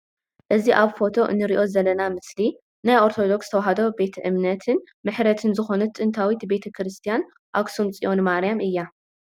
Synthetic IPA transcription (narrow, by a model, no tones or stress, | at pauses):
ʔɨziʔaβfo̞t̪ʰo̞ʔɨ̰nːɨɾiʔo̞zɐlːɐnamɨsli | najʔo̞ɾt̪ʰo̞d̪o̞kst̪ʰɐwaɦɐd̪o̞be̞t̪ʰɐʔɨmnɐt̪ʰɨn | mɨħɾɐt̪ʰɨnzɨxo̞nɐt̪ʼːɨnt̪ʰawit̪be̞t̪ʰɐkʰɾɨst̪ʰijan | ʔa̰ksumt͡sʼiʔo̞nmaɾjamʔɨjːa